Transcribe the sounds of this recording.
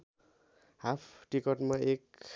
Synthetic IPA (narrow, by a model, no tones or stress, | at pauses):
hapʰʈikʌʈmaek